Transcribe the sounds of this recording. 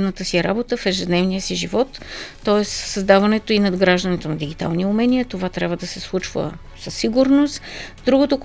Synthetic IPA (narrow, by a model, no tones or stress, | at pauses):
nət̪əsiɛɾabot̪əfɛʒɛd̪nɛvnijəsiʒivɔt̪ː | ɔɛssɐzd̪avɐnɛt̪oinɐd̪ɡɾaʒd̪ənit̪onɐd̪iɡʲit̪a̰lˠniumɛniət̪ovat̪ɾʲabvəd̪ɐsɛslˠut͡ʃvə̰ | səsːiɡʊɾnost̪d̪ɾuɡot̪ok